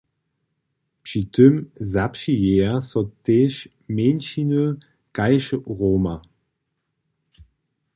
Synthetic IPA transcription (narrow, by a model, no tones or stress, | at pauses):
pʃitømzapʃijeɐsɔt̪eʃ | menʃinø | kajʃəʁoːma